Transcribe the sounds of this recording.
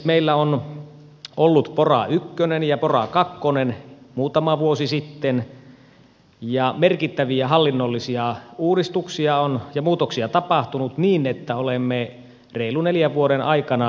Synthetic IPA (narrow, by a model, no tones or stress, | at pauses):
meilːæon | ʔolːut̪porɑ̰ykːønenjɑporɑ̰kɑkːonenmuːt̪ɑmɑʋuosisit̪ːen | jɑmerkit̪ːæʋiæhɑlːinːolːisiɑuːɾist̪uksiɑonjɑmuːt̪oksiɑt̪ɑpɑht̪unut̪niːnet̪ːæolemːe | reiluneljæʋʋuoɾenʔɑikɑnɑ